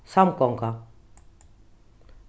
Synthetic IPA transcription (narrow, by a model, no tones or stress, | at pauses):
samkɔŋka